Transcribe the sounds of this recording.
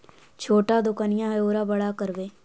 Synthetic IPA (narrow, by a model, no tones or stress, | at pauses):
t͡ʃʰoːʈaːd̪ʊkaːnɪjãːɦoːɾaːbəɽaːkəɾʋeː